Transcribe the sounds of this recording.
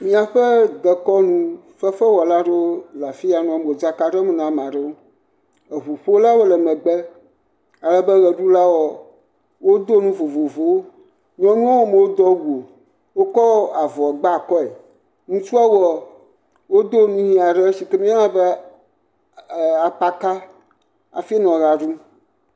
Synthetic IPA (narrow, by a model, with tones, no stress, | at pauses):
mĩ˦a˨ɸɛ˦d̪ə˨kɔ˦nũ˦ | fə˦fɛ˦wɔ˨la˦ɖe˦o˦la˨fi˦a˨nɔ̃˨˦me˨o˨d͡za˦ka˨ɖe˦mɛ˨nã˨mã˨ɖɛ˦wo˦ | e˨vo˨ɸo˦la˦wo˦lɛ˨mɛ̃˨ɡ͡bɛ˦ | a˨lɛ˦bɛ˦ɣɛ˨ɖu˦la˦wɔ˨ | wo˦d̪o˦nũ˦vo˨vo˨vo˨wo˦ | ɲɔ̃˦nũ˦a˦wo˦me˨wo˦d̪ɔ˦wu˨o˨ | wo˦kɔ˦a˨vɔ˨ɡ͡ba˦˨kɔ˦e˨ | ŋũ˦t͡ʃu˦a˦wɔ˨ | wo˦d̪o˦nũ˦ɲĩ˦a˨ɖɛ˦ʃi˨ke˦mĩ˦a˦lã˦bɛ˦˨ | a˨k͡pa˦ka˦ | a̰˨fi˦nɔ̃˨ɣa˨ɖu˦